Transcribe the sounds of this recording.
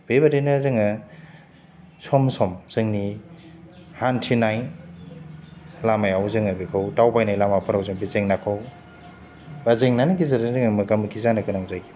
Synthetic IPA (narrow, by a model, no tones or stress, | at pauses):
b̥ebaɾenɐzɯŋɐ | sɔmsɔmsɯŋni | hantʰinajn | lamajawzɯŋabikʰawtawpajnajlamapʰɯɾawzɯŋbizeŋnakʰaw | bazeŋnanɐkizaɾnzɯŋɐmɯkamɯkʰizanɐkɯnaŋzajkʰi̥